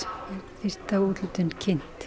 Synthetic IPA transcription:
aθir̥t̪auːt̪lɪt̪ʏncʰɪn̥t̪

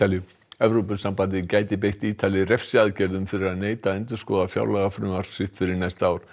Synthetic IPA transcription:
aljʏ | ɛvɾowpʏsampant̪ɪcaːjt̪ɪp̬ejht̪iːt̪ʰalɪrɛfsɪaðcɛɾðʏmfɪɾɪɾaðneːjt̪aɛnt̪ʏ̥skɔːðafja̰ːwlɛɣafɾʏːmaɾ̥sɪht̪fɪɾɪɾnajst̪aːwɾ̥

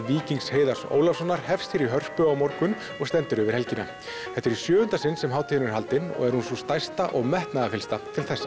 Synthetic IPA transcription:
viːciŋksheːjðar̥so̰ːwlafsɔnːaɾ̥hɛfst̪ɪɾiɦœr̥pʏawmɔɾkʏn | ɔɣst̪ɛnt̪ɪɾʏvɪɾ̥hɛlcɪna̰ | θɛht̪ːɛɾisjœːɣʏnt̪asɪnsɛmɦaːwt̪ʰɪɪnʏɛɾɦalt̪ɪnːɔ̰ɣɛɾ̥hunsust̪ajst̪aʔɔɣmɛht̪naðafɪlst̪at̪ʰɪlθɛsːḁ

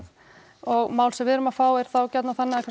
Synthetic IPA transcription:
ɔɣmaːwlsɛmvɪðɾʏmafaːwɛɾ̥θawcɛt̪naθanːɪaðɛkʰvɛ

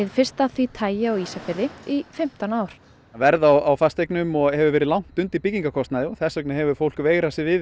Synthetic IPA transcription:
ɪðfɪrst̪aθvit̪ʰaːjaɔɣisafɪɾɪifɪm̥t̪anaːwɾ̥ | vɛɾðawawfast̪ejknʏmɔɣhɛvʏɾvɛːɾɪðlawŋ̥t̪ʏnt̪ipiciŋkakʰɔst̪naðɪɔθɛsœknɪhɛvʏɾ̥fowl̥kveːɣɾasɪvɪð

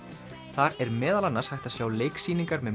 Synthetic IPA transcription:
θaɾɛɾmɛːðalanːashajxt̪aðsjaːwleːjksiːniŋkaɾmɛð

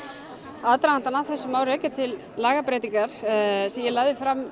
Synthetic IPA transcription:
aðt̪ɾaant̪anaθɛsːʏmaːwɾɛːcɪt̪ʰɪlːaːɣapɾɛjt̪iŋkaɾ̥sɛmjɛlaːjðɪfɾam

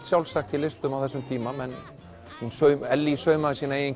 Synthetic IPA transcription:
t̪sjawlsaxt̪ilɪst̪ʏmawθɛsːʏmt̪ʰiːmamɛn | hunsœɥmɛlːisœɥmaðɪsiːnaeːjin

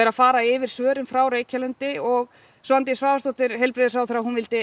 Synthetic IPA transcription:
ɾafaːɾaɪvɪɾ̥svœːɾʏmfɾawɾeːjcʰalʏnt̪ɪɔɣ | sant̪ɪsvaːvast̪oht̪ɪɾɦɛjlpɾɪːðɪsaːwθɾaɦunvɪlt̪ɪ

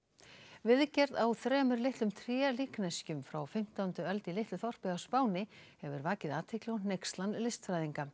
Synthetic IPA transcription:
vɪðcɛɾðawθɾɛːmʏɾlɪht̪lʏmt̪ʰɾjɛːliːknascʏmfɾawfɪm̥t̪aːwnt̪ʏœlt̪ɪlɪht̪lʏθɔr̥pɪɣawspaːwnɪhɛvʏɾvaːcɪðaːt̪ʰɪklɪɔnejkst̪lanlɪst̪fɾajðiŋka

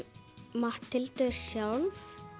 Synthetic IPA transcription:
maht̪ʰːɪlt̪œɾ̥sjaːwl

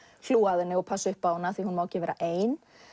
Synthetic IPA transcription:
l̥uːaðɪnːɪɔpʰasʏhpawnaθihunmawcɪvɛːɾaʔeːjn

